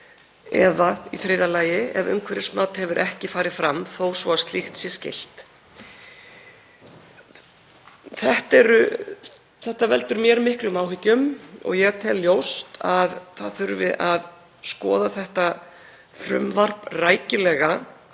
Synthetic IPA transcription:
ɛ̰ðaiθɾeːjðalaːjɪɛvœ̰ŋkʰvɛɾɪsmaːt̪hɛvʏɾʔɛhcɪfaːɾɪ̥fɾamθowsvɔast̪lixt̪sjɛscɪ̰l̥t̪ | θɛht̪ɛɾʏ | θɛht̪avɛlt̪ʏɾmjɛɾmɪhklʏmaːwɦɪcːʏmɔ̰ɣjɛt̪ʰɛlːjowst̪aðθaðθʏɾvɪʔað | skɔ̰ːðaθɛht̪a | θɾʏ̰mvar̥praːjcɪlɛːɣa

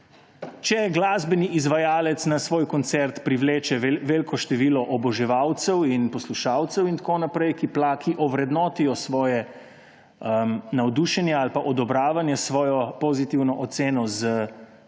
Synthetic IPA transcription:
t͡ʃɛɡlaːzbɛniʔizʋajaːlɛt̪snasʋoːjkɔnt̪sɛɾt̪pɾiʋleːt͡ʃɛʋeːlkʰɔʃt̪ɛʋiːlɔʔɔbɔʒɛʋawt̪sɛwinpɔsluʃaːwt̪sɛwint̪akoːnapɾɛjkiplakiʔɔʋɾɛd̪nɔːt̪ijɔsʋɔːjɛ | ənawd̪uʃɛnjɛalpaʔɔd̪ɔbɾaːʋanjɛsʋɔːjɔpozit̪iwnɔʔɔt̪seːnɔzə

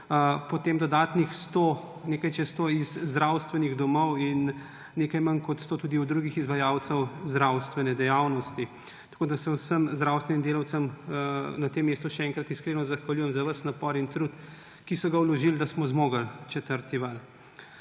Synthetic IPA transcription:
pɔt̪eːmd̪ɔd̪aːt̪nixst̪oneːkajt͡ʃɛst̪oizːd̪ɾawst̪ʋɛniɣd̪ɔmɔwinː | eːkajmɐnkɔt̪st̪oːt̪uːd̪iud̪ɾuɡixizʋajawt̪səwzd̪ɾawst̪ʋɛnɛd̪ɛjawnɔst̪i | t̪ḁkoːd̪asɛwsəmzd̪ɾawst̪ʋɛnimd̪eːlɐwt̪səm | nat̪emːeːst̪uʃɛɛŋkɾɐt̪iskɾeːnɔzɐxʋaljuːjɛmzaʋəsnapɔɾint̪ɾut̪ | kisɔɡawlɔʒild̪asmɔzmoːɡɐlt͡ʃɛt̪əɾt̪iʋal

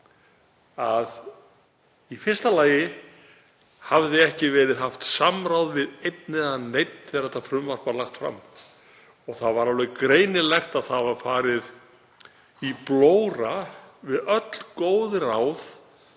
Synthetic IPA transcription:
að | ifɪr̥st̪alaːjɪ | havðɪɛhcɪvɛːɾɪðɦaft̪samɾawðvɪðejt̪̚nɪðanejt̪̚n̥θɛðaɾɛt̪afɾʏmvar̥palaxt̪fɾa̰mː | ɔɣθaðvaɾawlɛkɾeːjnɪlɛxt̪aðθavaɾ̥faːɾɪð | iploːwɾavɪðœt̪l̥koːwðɪraːwð

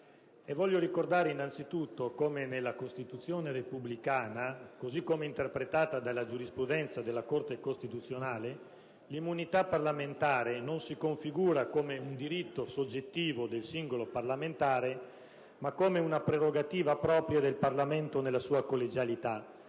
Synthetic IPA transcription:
evːɔʎːjoɾikord̪aːɾeinːant̪sit̪ut̪ːokomenelːakost̪it̪ut̪sːjoːneɾepublikaːnakozikːomeint̪erpɾet̪aːt̪ad̪alːad͡ʒuɾispɾud̪ɛnt̪sad̪elːakort̪ekost̪it̪ut̪sːjonaːle | limːunit̪apːarlament̪aːɾenonsikoɱfiɡuːɾakomeund̪iɾit̪ːosod͡ʒːet̪ːiːvod̪elsiŋɡoloparlament̪aːɾe | makːomeunapɾeɾoɡat̪iːvapɾɔːpɾjad̪elparlament̪onelːasuːakolːed͡ʒalit̪a

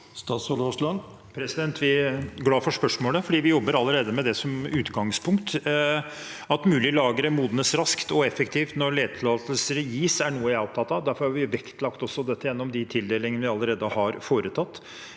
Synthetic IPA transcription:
st̪ɑːsɔloːslɑn | pʰɾɛsɪd̪ɛnt̪ʰʋɪɡlɑːfɔʂpœʂmoːləfɔɖiːʋɪjɔbːəɾɑlːəɾeːd̪əmɛd̪ɛsɔmʉːt̪ɡɑŋspʰʊŋkt̪ | ɑt̪mʉːlɪəlɑːɡəɾəmuːd̪nəsɾɑskt̪ɔɛfəkt̪ʰiːft̪nɔɾɭeːd̪̚t̪ʰɪlɑːt̪əlsəɾjiːsæɳuːəæɔp̚t̪ʰɑt̪ːɑʋd̪æɾfɔɾhɑɾʋɪʋɛkt̪lɑkt̪ɔsːɔd̪ɛt̪ːəjɛnːɔmd̪ɪt̪ʰɪld̪eːlɪŋənəʋɪɑlːəɾeːd̪əhɑɾfoːɾət̪ʰɑt̪ː

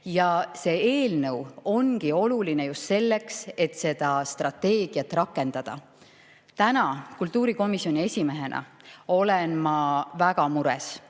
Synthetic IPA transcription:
jɑse̞ːe̞ːlnɤwo̞ŋɡ̥io̞luline̞just̪se̞lːe̞kset̪se̞d̪̥ɑst̪rɑt̪ːe̞ːɡ̥iɑt̪ːˑrɑkːˑe̞nd̪̥ɑd̪̥ɑ̰ | t̪ænɑkult̪ːˑuːɾiko̞misjo̞nʲie̞sʲime̞ɦe̞nʔɑ̰ | o̞lenmɑvæɡ̥ɑmuɾḛs

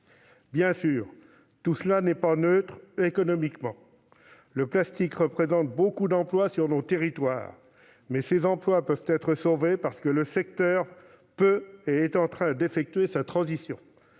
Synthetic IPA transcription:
bjɛ̃syːʁ | t̪usəlanɛpanøt̪χekɔnɔmikmɑ̃ | ləplast̪ikʁəpχezɑ̃t̪̚bokud̪ɑ̃plwasyʁnot̪eʁit̪wa̰ːʁ | mɛsezɑ̃plwapœvt̪ɛt̪χəsovepaʁsə̥kələsɛk̚t̪œːʁ | pøeːt̪ɑ̃t̪χɛ̃d̪efɛk̚t̪ɥesat̪χɑ̃zisjɔ̃

